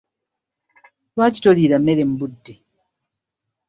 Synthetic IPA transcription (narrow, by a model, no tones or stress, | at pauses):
lwaːci̥toliːɾamːeɾe̞m̩budːe